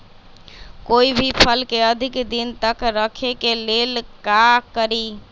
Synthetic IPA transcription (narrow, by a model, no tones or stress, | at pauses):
koibʱipʰəlkeəd̪ʱikd̪int̪əkɾəkʰekelelkakəɾi